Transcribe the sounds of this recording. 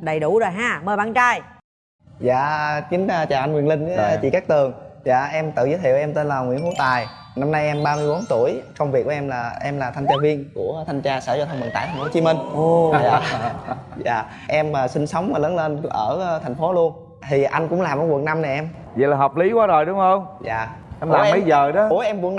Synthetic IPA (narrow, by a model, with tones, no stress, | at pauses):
ɗə˨˩jɗu˧˩zo˨˩jɦaː˧˩məː˧˩jva˧nt͡ɕaː˧j | za̰ː˧˨t͡ɕï˨˦ŋ̟ː˧t͡ɕaː˨˩ʔa˧jŋwi˨˩nlï˧ŋ̟˦t͡ɕḭ˧˨kaː˦˥k̚t̪ɨ˨˩əŋza̰ː˧˨ʔɛ˧mt̪ɨ̰˧˨zəː˨˦jt̪ʰi˧˨ʔɛ˧mt̪e˧nlaː˨˩ŋwi˧˥əŋhu˨˦t̪aː˨˩j | na˧mna˧jʔɛ˧mɓaː˧mɨ˧əjɓo˨˦nt̪u˧˩əjkə˧wŋ͡mvi˨˩k̚ku˧ʔɛ˧mlaː˨˩ʔɛ˧mlaː˨˩t̪ʰa˧ŋ̟t͡ɕaː˧vi˧ənku˧˩ət̪ʰa˧jŋ̟t͡ɕaː˧sə̰ː˧˩zɔ˧t̪ʰə˧ŋ͡mɓə̰˧˨˩nt̪aː˧˩t̪ʰŋ̟fo˨˦t͡ɕi˨˦mï˧ŋ̟˧a̰ː˨ | za̰ː˧˨ | ʔɛ˧maː˨˩sï˧ŋ̟sə˨˦wŋ͡ma˨˩ləː˨˦nle˧nʔəː˧˩˧t̪ʰa˨˩jŋ̟fo˨˦lu˧ən | t̪ʰi˨˩ʔa˧jŋ̟kʊ̰˧˥ŋ͡mlaː˨˩mʔəː˨˦kwə̰˨˩na˧mna˨˩ʔɛ˧m | və̰˧˨jlaː˨˩ɦəː˨˩p̚li˨˦kwaː˧˦zo˨˩jɗʊ˨˦ŋ͡mə˧wŋ͡mza̰ː˧˨ | ʔɛ˧mlaː˨˩mːə˧˨˦jzəː˨˩ɗɔ˨˦˧əʔɛ˧mwṵ˨˧˩ən